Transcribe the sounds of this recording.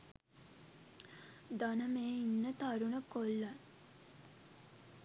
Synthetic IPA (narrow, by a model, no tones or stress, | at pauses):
d̪anəmeːinːət̪aɾunəkolːə